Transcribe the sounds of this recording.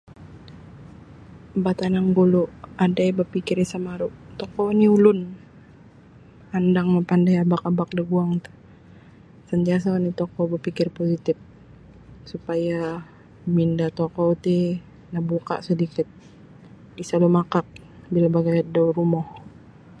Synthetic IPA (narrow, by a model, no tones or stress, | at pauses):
bat̪anaŋɡuluʔadajbəpikɪrisamaɾuʔt̪ɔkɔniulʊn | andaŋmapandajabakabak̚daɡuaŋt̪ḁ | sənt̪ias̬anit̪ɔkɔbəpikɪrposit̪ɪf̚ | supaja | mindat̪ɔkɔt̪i | nabuka̰ʔsədikɪt̪̚ | isalumakak̚ | bilabaɡajadauɾumɔh